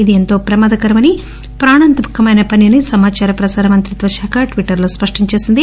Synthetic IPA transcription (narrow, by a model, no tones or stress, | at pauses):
id̪ient̪o̞ːpɾɐmɐːd̪ɐkɐɾɐmɐni | pɾaːɳɐnt̪mukːɐmɐjnɐpɐnjɐnisɐmaːt͡ʃaːɾɐpɾɐsaːɾɐmɐnt̪ɾit̪ʋɐʃaːkʰaʈʋiʈːɐɾlo̞ːspɐʂʈiɲt͡ʃe̞ːsind̪i